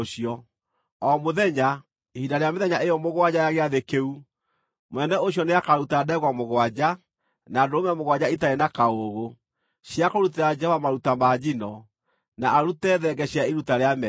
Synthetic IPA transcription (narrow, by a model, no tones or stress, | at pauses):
oɕiɔ | ɔmoðɛɲa | ihidaɾeameðɛɲaejɔmoɣwad͡ʑajaɣeaðekeu | mwɛnɛoɕ̬jɔneakaɾutaːdaɛɣwamoɣwad͡ʑa | naːdoomɛmoɣwad͡ʑaitaenakaoɣo | ɕjakoɾuteɾad͡ʒɛhɔvamaɾutamaːd͡ʑinɔ | naaɾutɛːðɛɡɛɕjaiɾutaɾeamɛ